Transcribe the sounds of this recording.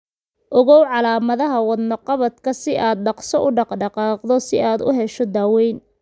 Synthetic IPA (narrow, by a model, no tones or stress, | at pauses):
ʔɔɣɔwʕɑlaːmɐðɐɦɐwɑd̪nɐqɑβɐd̪kʰɐsɪʔaːd̪̚ɖɑqsɔʔʊɖɑqɖɑqɑːqd̪ɔsɪʔaːd̪ʊ̰ɦɛʃɔd̪aːwɛjn